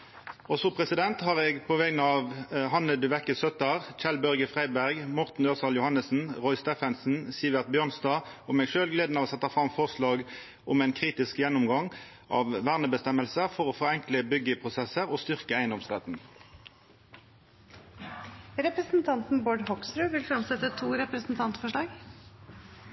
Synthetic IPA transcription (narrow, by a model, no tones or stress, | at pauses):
ɔsɔpʰʁɛsɪd̪ɛnt̪hɑːʁeːɡpʰɔʋɛːɡnəɑːʋɦɑnəd̪ʉʋɛkːəsœt̪ɑʁc͡çɛlbœʁɡəfʁæɪbæʁɡmɔʁt̪n̩dɑsɑljʊhɑnəsn̩ʁɔʏst̪eːfɛnsn̩siːəʋæʁt̪̚bjøːʁnsd̪ɑː | ɔmɛːɡʂøːlɡleːd̪nɑʋoːsɛt̪ːɑfʁɑmfɔʁslɑːɡ | ʔɔmæɪnkʰʁiːt̪ɪskjɛnːʊmɡɑŋ | ʔɑ̰ːʋʋæʁnəbəst̪ɛməlsəfɔʁoːfɔɛŋkləbʏɡəpʰʁʊsɛsəʁoːst̪ʏʁkəæɪənd̪ɔmsʁɛt̪n̩ | ɾɛpɾəsn̩t̪ʰɑnt̪n̩boːɖhɔksɾʉːʋɪlfɾɑmsɛt̪ːət̪ʰuːɾɛpɾəsn̩t̪ʰɑnt̪fɔʂɭɑːɡ